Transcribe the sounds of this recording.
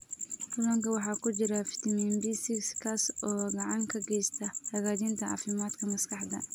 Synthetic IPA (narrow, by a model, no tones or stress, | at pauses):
kʊlɐŋkʰɐwɑħɑːkʰʊt͡ʃɪɾɐfɪ̥t̪ʰɐminbisɪkskʰaːsɔːɡɑʕɑŋkʰɐɡɛjst̪ʰɐhɐɣaːdint̪ʰɐʕɑ̰ːfɪmaːd̪kʰɐmɐskʰɑħd̪ɐ̰